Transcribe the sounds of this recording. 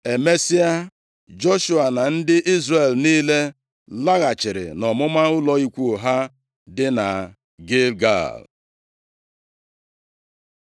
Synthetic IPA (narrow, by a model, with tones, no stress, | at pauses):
e˨me˦si˦a˦ | d͡ʒo˦ʃu˨a˨na˨n̩˦dɪ˦ʔi˦zre˨lniː˦le˦ | la˦ɣa˨t͡ʃɪ˨ɾɪ̰˨nɔ˨mʊ˦ma˦ʊ˦lɔ˦i˦kʷu˦˨ɦa˦ | dɪ˦na˨ | ɡe˦lɡa̰˦˨l